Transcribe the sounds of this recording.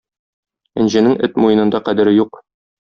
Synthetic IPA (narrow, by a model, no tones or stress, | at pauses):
ɘ̆nʑɘ̆nɘŋɘt̪mujɤ̆nɤ̆nd̪ɑqæd̪ɘ̆ɾɘjuq